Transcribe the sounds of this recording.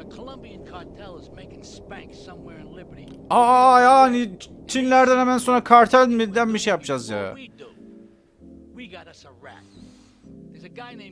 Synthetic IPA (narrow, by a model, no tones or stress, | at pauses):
əkʰəlʌ̃mbiɨ̃nkʰɑɹtʰɛlˠəzmeɪkɪ̃ŋspæ̰̃ŋksʌ̃mwɛɹɨ̃nlɪbəɾiajanit͡ʃʰinlʲæɾd̪ænhæmænsonɾakʰaɾt̪ʰælʲmilʲd̪ænbiʃejap̚d͡ʒazja̰ | wiɡɑɾʌsəɹæ̰k | ɨzɨɡaɪ